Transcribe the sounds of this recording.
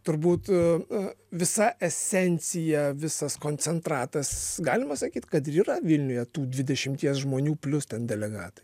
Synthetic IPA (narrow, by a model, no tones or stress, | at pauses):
t̪ʊɾbuːt̪ | ʋʲɪsɐʔɛsʲɛnʲt͡sʲɪjɛʋʲɪsɐskoːnʲt͡s̪ʲɛnt̪ɾɑːt̪ɐsɡɑːlʲɪmɐsɐkʲiːt̪ʲkɐt̪ɪɾiːrɐʋʲɪlʲnʲʊjɛt̪uːd̪ʲʋʲɪd̪ʲɛʃʲɪmʲt̪ʲiɛsʒmoːnʲuːpʲlʲʊst̪ʲɛnd̪ʲɛlʲɛɡɑ̰ːt̪ɐ̥j